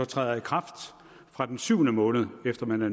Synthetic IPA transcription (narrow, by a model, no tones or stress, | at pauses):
ɒt͡sʰʁɛ̰ːð̩ˠikʰʁɑ̈fd̥ | fʁɑ̈d̥ensyʊ̰nəmɔ̽ːnəð̞̩ˠefd̥ɐmænæ